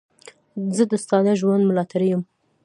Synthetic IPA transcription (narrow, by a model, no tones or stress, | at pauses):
zəd̪əst̪ɑnaʒwand̪mʊlɑt̪ʰaɾijəm